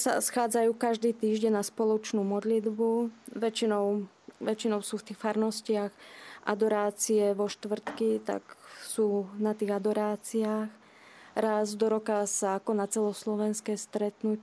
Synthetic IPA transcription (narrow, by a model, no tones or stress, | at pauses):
sa̰sxaːd͡zajuːkaʒd̪iːt̪iːʒɟɛɲnaspɔlɔt͡ʃnuːmɔd̪lid̪buʋɛt͡ʃinɔʊ | ʋɛt͡ʃinɔʊsuːft̪iːxfaɾnɔscɪaɣʔa̰d̪ɔɾaːt͡siɛʋɔʃt̪ʋr̩t̪kit̪a̰ksuːnat̪iːɣad̪ɔɾaːt͡siaːx | ɾazd̪ɔɾɔkasaakɔnat͡sɛlɔslɔʋɛnskɛːst̪ɾɛt̪nuc